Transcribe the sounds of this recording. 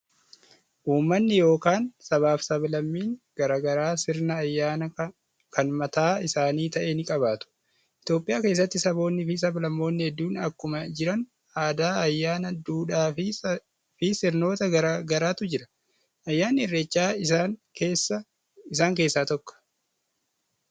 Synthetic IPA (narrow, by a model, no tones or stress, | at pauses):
ʔuːmːɐnːɪjo̞ːkaːnsɐβaːfsɐblɐmːiːŋɡ̥ɐɾaːɡɐɾaːsɪɾnɐːjːaːnɐ | kʰɐnmɐt̪aːɪsaːniːt̪ɐʔenɪkʼɐβaːt̪ʊ̥ | ʔɪt̪jo̞ːpʼɪjaːke̞ːs̬ːɐt̪ːɪsɐbo̞ːnːɪfɪs̬ɐbɐlɐmːo̞ːnːɪhɛd̪ːuːnɐkːʊmɐd͡ʒɪɾɐn | aːd̪aːɐjːaːnɐd̪uːᶑaːfɪ | fɪsɪɾno̞ːt̪ɐɡɐɾaɡɐɾaːt̪ʊd͡ʒɪɾɐ̥ | ʔɐjːaːnːɪɪrːeːt͡ʃːaːɪakeːsːɐ | ɪsaːŋkeːsːaːt̪ɔkːɔ̥